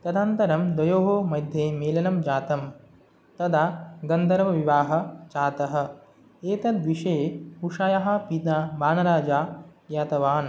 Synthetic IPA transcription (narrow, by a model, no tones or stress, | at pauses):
t̪ɐd̪aːnt̪ɐɾɐmd̪ɐjoːɦoːmɐjd̪ʱjemeːlɐnɐmd͡ʒaːt̪ɐm | t̪ɐd̪aɡɐnd̪ʱɐɾʋɐʋiʋaːɦɐ̆t͡ʃaːt̪ɐɦɐ̆ | eːt̪ɐd̪ʋiʂɐjeuʂaːjɐɦɐpit̪naːbaːnɐɾaːd͡ʒaːjaːt̪ɐʋaːn